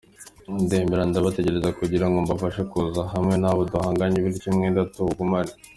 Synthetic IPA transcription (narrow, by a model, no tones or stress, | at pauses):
ndeːmbeɾandaβate̞ɟe̞ɾe̞zakuɟiɾaŋɡombafaʃekuzahamŋe̞naːβoduhaːŋɡaɲiβiɾicimŋidatuɡumaɾi